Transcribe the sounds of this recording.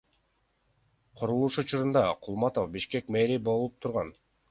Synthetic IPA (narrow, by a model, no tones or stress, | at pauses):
qʰoɾulˠuʃut͡ʃuɾund̪ɑqʰʊlˠmɑt̪ofbiʃke̞kmeɾibo̞lˠup̚t̪ʰuɾʁɑn